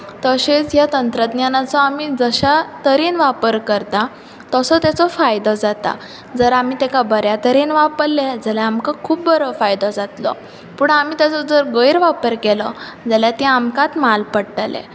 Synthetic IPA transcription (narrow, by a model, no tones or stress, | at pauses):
t̪əɕet͡sjat̪ənt̪ɾəd̪njanat͡sɔamiːd͡zəɕat̪əɾiːnʋapəɾkəɾt̪a | t̪əsɔt̪jat͡sɔfajd̪ɔd͡zat̪a̰ | d͡zəɾamiːt̪ɛkabəɾjat̪əɾiːnʋapəɾled͡zəljaamkakʰuːp̚bəɾɔfajd̪ɔd͡zat̪lɔ̰ | puːɳamiːt̪jat͡sɔd͡zəɾɡəjɾʋapəɾkɛlɔ | d͡zəljat̪ĩamkat̪malpəɽʈlɛ̰